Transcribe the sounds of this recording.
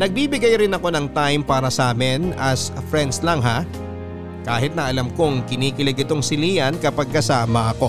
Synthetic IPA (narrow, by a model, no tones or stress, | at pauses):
nɐɡ̚biːbɪɡajɾɪnɐko̞nɐŋt̪ajmpaːɾɐsʔaːmɪnɐsfɾɛnd̪slɐŋɦa | kaːɦɪt̪̚nɐʔɐlɐmkoŋkɪniːkɪlɛɡɪt̪o̞ŋsɪliːjɐnkɐpɐɡ̚kɐsaːmɐʔɐko̞